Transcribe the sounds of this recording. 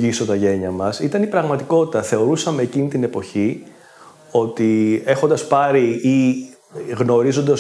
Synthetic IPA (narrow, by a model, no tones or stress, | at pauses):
iso̞t̪ɐʝe̞ɲɐmɐsit̪ɐnipɾɐɣmɐt̪iko̞t̪i̥t̪ɐθe̞o̞ɾusɐme̞ːcinit̪ine̞po̞çi | o̞t̪ie̞xo̞nd̪ɐspɐɾii | ɣno̞ɾizo̞nd̪ɐs